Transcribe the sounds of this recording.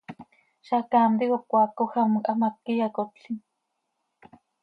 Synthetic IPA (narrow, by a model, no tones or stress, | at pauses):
ʃakaːmd̪ikokʷaːkoxamkʼamap̚kijakotin